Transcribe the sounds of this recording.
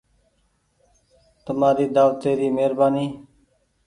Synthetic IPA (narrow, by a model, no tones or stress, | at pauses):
t̪əmaːɾiːd̪aːʋt̪eːɾiːmeːɾbaːniː